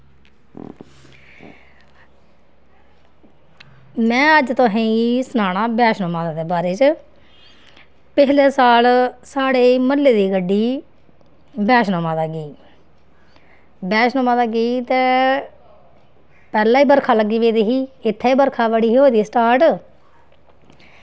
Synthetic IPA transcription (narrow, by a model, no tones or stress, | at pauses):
mɛ̃ːəd͡ʒt̪õːɦẽsənaːɽ̃aːbɛːʃnõːmãːd̪aːd̪eːbaːɾeːt͡ʃ | pɪt͡ʃleːsaːlsaːɽeːməlːeːd̪iːɡəɖːiː | bɛːʃnõːmãːd̪aːɡiː | bɛːʃnõːmãːd̪aːɡiːt̪ẽː | pɛːlãːiːbəɾkʰaːləɡːiːʋeːd̪eːɦiːɪt̪ʰːeːiːbəɾkʰaːʋəɽiːoːd̪iːsʈaːɾʈ